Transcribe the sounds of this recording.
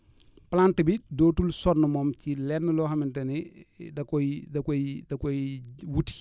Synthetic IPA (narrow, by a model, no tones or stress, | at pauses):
plantibidɔːtulsɔnːəmɔːmcilɛnːəlɔːɦɐmintɛnidɐkɔjdɐkɔjdɐkɔjwut